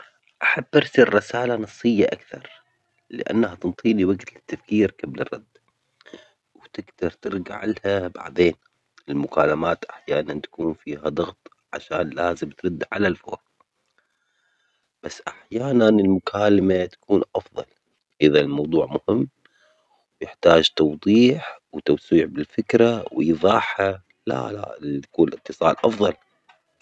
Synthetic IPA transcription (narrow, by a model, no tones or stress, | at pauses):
ʔaħabːʔɪɾsirːˤɪsaːlanɑsˤːɨjːaʔakθɑɾˤ | lɪ̰ʔa̰nːhat̪ɨnt̪ˤʰiːliwaɡt̪lɪt̪ːafkiːɾkablɨ̰rˤːɑ̰d̪̥ː | wt̪ɪɡd̪ɑɾˤt̪ɪɾɡaʕɪlhaba̰ʕd̪eːn | ɪlmʊkaːlamaːt̪ʔaħjaːnant̪ḁkuːnfiːhad̪ˤɑɣt̪ˤ | ʕa̰ʃaːnlaːzɪmt̪ɾɨd̪ːʕalalfo̰ːɾ | b̥asːʔaħjaːnanɪlmʊkʰaːlamat̪ḁkuːnʔɑfðˤɑ̰l | ʔɪðalmɑwðˤuːʕmʊhɪmː | wjɪħt̪aːd͡ʒt̪ɑwðˤiːħwt̪awsiːʕbɪlfɪkɾawɪjðˤɑːħha | la̰la̰t̪ḁkuːnʔɪt̪ːɨsˤɑ̰ːlʔɑfðˤɑl